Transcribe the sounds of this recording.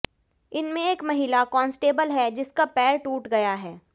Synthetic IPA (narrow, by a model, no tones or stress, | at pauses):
ɪnmẽeːkmɐɦilakɔ̃ːnsʈeːbəlɦɛd͡ʒɪskapɛːɾʈuːʈɡɐjaɦɛː